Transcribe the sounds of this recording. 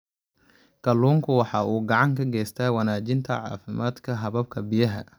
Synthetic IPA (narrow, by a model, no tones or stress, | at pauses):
kʰɐlːuːŋkʰʊwɑħɑːʔuːɡɑʕɑŋkʰɐɡɛːst̪ʰɐːwɑnaːt͡ʃɪnt̪ʰɐ̰ʕɑ̰ːfɪmaːd̪kʰɐɦɐβɐb̚kʰɐbijɐɦɐ̰